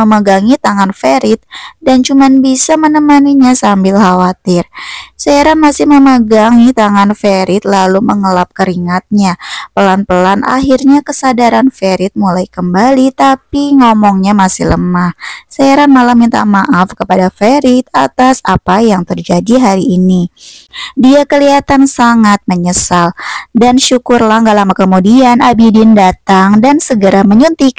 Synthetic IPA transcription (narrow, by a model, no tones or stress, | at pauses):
məməɡaŋit̪aŋanfeɾɪt̪̚dant͡ʃumanbisamənəmaniɲasambɪlhawat̪ɪrsaaɾanmasɪhməməɡaŋit̪aŋanfeɾɪt̪̚laluməŋəlap̚kəɾiŋat̪̚ɲapəlanpəlanʔa̰ɦirɲakəsadaɾanfeɾɪt̪̚mulajkəmbalit̪apiŋɔmɔŋɲamasɪhləmahsajaɾanmalamint̪a̰maʔafkəpadafeɾɪt̪̚at̪asapajaŋt̪ərd͡ʒadiɦaɾiʔːni | diakəliat̪ansaŋat̪̚məɲəsaldanʃukʊrlahŋɡaʔlamakəmudianabidɪndat̪aŋdansəɡəɾaməɲunt̪ik